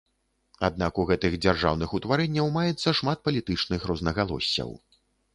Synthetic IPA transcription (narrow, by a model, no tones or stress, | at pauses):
a̰d̪̚nakuɣɛt̪ɨxd͡zʲarʐa̰wnɨxut̪vaɾɛnʲːɐwmajɛt̪sːɐʂmat̪̚pɐlʲit̪ɨt͡ʂnɨxɾɔznɐɣalˠɔ̰sʲːɐ̰w